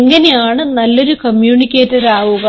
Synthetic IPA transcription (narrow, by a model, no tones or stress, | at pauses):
ŋːɐnejaːɳɨnɐlːo̞ɾukɐmjuːɳikʲːeːtːɐɾaːʋuɣɐ